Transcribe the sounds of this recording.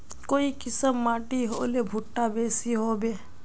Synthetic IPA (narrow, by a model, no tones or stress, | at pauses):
koːikɪsəmːaːʈiɦo̰ːlebʱʊʈːabeːsiɦoːbeː